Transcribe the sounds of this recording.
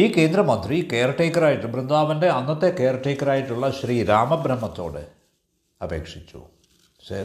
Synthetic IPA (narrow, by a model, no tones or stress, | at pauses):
iːke̞ːnd̪ɾɐmɐnd̪rikeːɾɐʈːeːkːɐɾaːjiʈːɨbɾɨnd̪ʱaːʋɐnde̞ɐnːɐt̪ːe̞keːɾɐʈːeːkːɐɾaːjiʈːuɭːɐɕɾiːɾaːmɐbɾɐmːɐt̪ːo̞̰ːɽɨ̰ | ɐbe̞̰ːkʂit͡ɕːṵ | ɕɐ̰